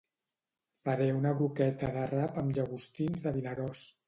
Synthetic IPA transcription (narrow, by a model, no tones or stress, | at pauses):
fəɾɛunəβɾukɛt̪əðərapəmʒəɣust̪inzðəβinəɾos